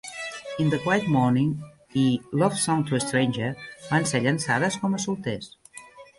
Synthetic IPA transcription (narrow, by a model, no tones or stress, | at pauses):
ind̪əkwajt̪mɔɾniŋ | ilɔfsɔ̃ŋt̪uəst̪ɾejnʲʒəbanseʎənsaðəskɔməsulˠt̪es